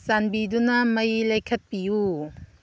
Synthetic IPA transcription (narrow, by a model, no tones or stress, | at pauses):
sanbidunɐmɐjlɐjkʰɐt̚piju